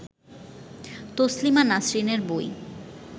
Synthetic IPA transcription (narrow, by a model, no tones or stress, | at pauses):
t̪oslimanasɾineɾboj